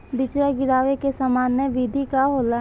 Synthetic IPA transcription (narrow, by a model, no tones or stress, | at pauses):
bɪt͡ʃɾaɡɪɾaːʋekesamaːnjəʋiːd̪ʱikaɦoːla